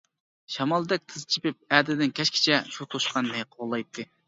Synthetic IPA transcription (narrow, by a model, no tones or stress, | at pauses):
ʃɑmɑlˠd̪ɛk̚ʲt̪ʰɨzt͡ʃʰipɪp̚æd̪ɪd̪ɪnkʲʰɛʃkʲʰi̥t͡ʃʰɛʃut̪ʰoʃqʰɑnːɨqʰolˠːɑjt̪ʰːɨ